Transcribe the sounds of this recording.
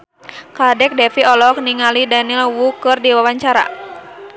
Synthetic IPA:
kadɛk̚dɛfiɔlɔk̚niŋalidanilwukɨrdiwawaɲt͡ʃaɾa̰

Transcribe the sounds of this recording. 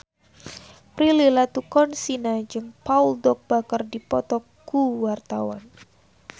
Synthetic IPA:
pɾililat̪ukɔnsinad͡ʒɨŋpauldɔk̚b̥akərdipɔt̪ɔkɡuwart̪awa̰n

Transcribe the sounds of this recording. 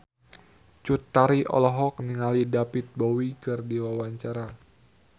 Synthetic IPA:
t͡ʃut̪ːaɾiʔɔ̰lɔɦɔk̚niŋalidapit̪̚bɔwikɨrdiwawaɲt͡ʃaɾa

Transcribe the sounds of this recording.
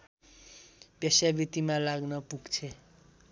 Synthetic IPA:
pjesjabit̪imãlaɡnʌpuɡt͡sʰe

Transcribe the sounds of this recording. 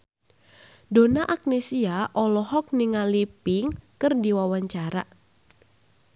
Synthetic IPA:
donaʔak̚nesiaʔɔlɔɦɔk̚niŋalipɪŋkɨrdiwawaɲt͡ʃaɾa

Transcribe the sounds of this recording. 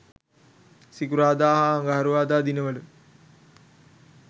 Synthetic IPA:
sikuɾaːd̪aːɦaɐŋɡaɦɐɾuʋaːd̪aːd̪inəʋəlu

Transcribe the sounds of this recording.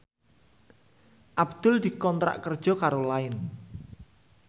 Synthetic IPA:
ʔabd̪̥ʊld̪̥i̤kɔnt̪ɾa̰ʔkərd̥ʒ̥ɔ̤kaɾolaɪn

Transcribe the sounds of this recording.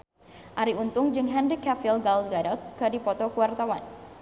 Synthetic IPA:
ʔaɾiunt̪ʊŋd͡ʒɨŋɦɛnrikafilɡalɡaɾɔt̪̚kədipɔt̪ɔkuwart̪awan

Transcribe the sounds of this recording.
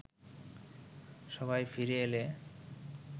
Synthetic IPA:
ʃɔbajfiɾeele

